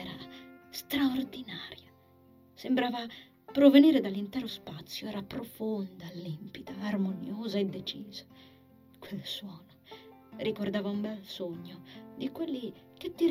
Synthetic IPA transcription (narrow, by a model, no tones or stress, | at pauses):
ɛɾa̰st̪ɾaord̪inaːɾja | sembɾaːva | pɾoveniːɾed̪alːint̪ɛːɾospat̪sːjoɛːɾapɾofond̪alimpid̪aːrmonjoːzaed̪ːet͡ʃiːz̥a | kwelswɔːno | rikord̪aːvaumbɛlsoɲːod̪ikwelːi | k̟et̪ːiɾ